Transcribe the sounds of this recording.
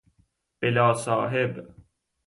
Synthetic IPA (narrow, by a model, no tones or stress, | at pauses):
pɪlaːsaːɦɪb